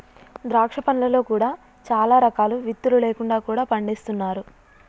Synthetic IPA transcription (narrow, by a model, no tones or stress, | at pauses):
d̪ɾaːkʂɐpɐnlɐlo̞ːkuːɽaː | t͡ʃaːlaːɾɐkaːluʋit̪ːulule̞ːkuɳɖaːkuːɽaːpɐɳɖeːst̪unːaːɾu